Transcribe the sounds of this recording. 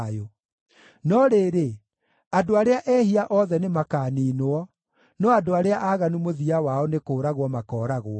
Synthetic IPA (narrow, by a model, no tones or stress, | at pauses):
jo | nɔɾeːɾe | adoaɾeaʔɛːhiaʔɔðɛnemakaːniːnoɔ | nɔadoaɾeaʔaɣanumoðiawaɔnekoːɾaɣwɔmakɔːɾaɣoɔ